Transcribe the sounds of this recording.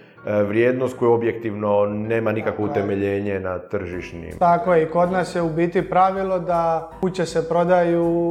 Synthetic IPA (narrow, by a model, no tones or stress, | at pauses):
ʋɾjeːd̪nost̪̚kojuobjek̚t̪iʋnoneːmanikakʋout̪e̞meʎeːɲenat̪r̩ʒiʃnḭmt̪akojeiko̞d̪naːsjeubiːt̪ipɾaʋilˠo̞d̪akut͡ɕesepɾo̞d̪aju